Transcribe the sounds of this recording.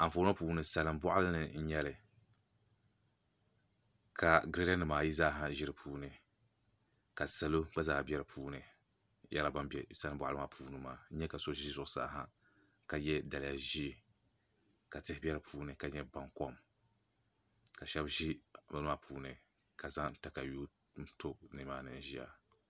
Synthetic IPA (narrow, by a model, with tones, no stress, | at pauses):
a˨foː˨˦a˦puː˨˦nɨ˨sa˨lɨ˨mbɔ˦ʔa˦lɨ˦nɨ˨n̩˦ɲɛ˦lɨ˨ | ka˨ɡɾe˦da˦nɨ˨maː˨ji˦zaː˦˨ɦa˦ʒɪ˦ɾɨ˨pʰuː˦nɨ˨ | ka˨sa˨lo˦ba˦zaː˨bɛ˦ɾɨ˨˦pʰuː˦nɨ˨ | jɛ̰˦la˨ba˦mbɛ˦sa˦lɨ˨mbʷa˦ʔa˦lɨ˦ma˨pʰuː˨˦nɨ˨maː˨˦ɲɛ˦ka˨so˦ʒi˦zʊ˨ʊ˦sa̰ː˦ɦa˦ | ka˨jɛ˦da˨lɪ˨ja˨ʒi˦˨ | ka˨tɨ˦hɪ˦bʲɛ˦ɾɨ˦pʰuː˦nɨ˨ka˨ɲɛ˦ba˨ŋkɔ˦m | ka˨ʃɛ˦bʒi˦˨ba˨nɨ˦a˦˨pʰuː˦nɨ˨ | ka˨za˦ŋ˦ta˨ka˨juː˦ | tʰo˦nɨ˨maː˦nɨ̰˨n̩˦ʒi˦ja̰˨